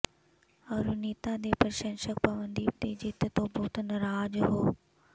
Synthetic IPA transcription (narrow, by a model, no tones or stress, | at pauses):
ɐɾuniːt̪ãd̪eːpɐɾʃə̃nʃək̚pɐʋə̃nd̪iːd̪id͡ʑɪt̪ɪt̪obʊːt̪nɐɾaːd͡ʑɦoː